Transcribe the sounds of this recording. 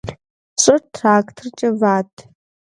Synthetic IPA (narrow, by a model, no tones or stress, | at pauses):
ɕʷʼɐrtʰraːkʼtʰrt͡ʃʼɐvaːtʼʰ